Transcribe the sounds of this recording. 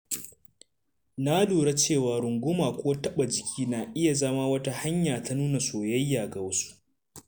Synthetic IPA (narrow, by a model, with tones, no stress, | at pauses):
na˦duː˨ɽa˦t͡ʃeː˦˨waː˨ɾʊ˨ŋɡʷʊ˦maː˨kʷoː˦tɐ˦ɓa˨d͡ʒɪ˨kʲʰiː˦naː˨ʔɪ˦ja˨zɐ˦maː˦wɐ˦ta˦ha˦ɲjaː˨tʰa˦nuː˦na˨soː˨jɐ˦jːaː˨ɡa˨wɐ˦su̥˦ʔ